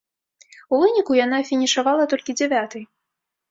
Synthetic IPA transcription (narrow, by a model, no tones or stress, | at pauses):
uvɨnʲikujanafʲinʲiʂavalˠɐt̪ɔlʲkʲid͡zʲɛvʲat̪ɨj